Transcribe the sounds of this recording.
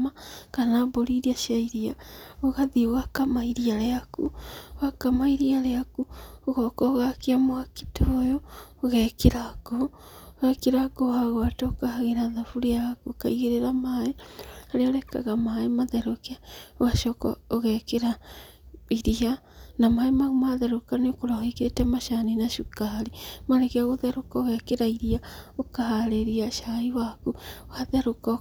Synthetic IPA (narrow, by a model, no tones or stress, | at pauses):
makanaboɾiɾiaʃiaiɾiaoɣaðioɣakamaiɾiaɾeakṵoɣakamaiɾiaɾeakuoɣɔkɔɣakeamoaki̥tʰojo | oɣɛkeɾako | oɣɛkeɾaɡohaɣoatoːkaaɣeɾaðafuɾejakuokaiɣeɾeɾamaeaɾeɔɾɛka̰ɣamaemaðɛɾokeawaʃɔkɔ̰oɣɛkeɾa | iɾia | namaemaɣumaðɛɾokanekoɾahikeɾetɛmaʃaninaʃukaɾimaɾekeaɣoðɛɾokɔoɣɛkeɾaiɾiaokaɦaɾeɾiaʃaiwakuwaðɛɾokɔ